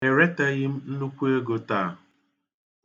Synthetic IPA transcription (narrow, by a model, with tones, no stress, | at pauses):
e˨ɾe˦ta˦ɣɪ˦m̩˦n̩˦nu˦kʷe˦ɡo˨ta˦˨